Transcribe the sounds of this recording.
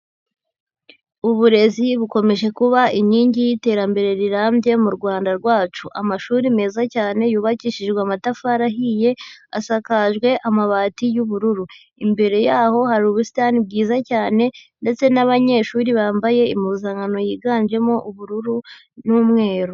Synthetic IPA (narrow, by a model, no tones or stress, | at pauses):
uβuɾe̞ziβuko̞me̞ʒe̞kuβaʔiɲiːɲɟijite̞ːɾambe̞ɾe̞ɾiɾaːmbje̞muɾɡwaːndaɾɡwaːt͡ʃuʔa̰maʃuːɾime̞ːzacaːne̞juːβaciʃiʒɡweamatafaɾaɦije̞a̰sakaʒɡwe̞ʔamaβaːtijuβuɾuɾu | imbe̞ɾe̞jaːho̞haɾuːβusi̥tanib̚ɡiːzacaːne̞nde̞t͡se̞naβaɲe̞ːʃuːɾiβaːmbaje̞imuzaːŋɡano̞jiːɡaːnd͡ʒe̞mo̞ʔuβuɾuɾu | nuːmŋe̞ːɾo